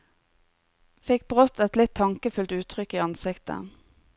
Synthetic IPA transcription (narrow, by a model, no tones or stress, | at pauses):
fɪk̚bʁɔt̪ʰɛt̪lɪt̪ʰːɑŋkəfʉlt̪ʉːt̪ʰʁʏkːiːɑnsɪkt̪ə̰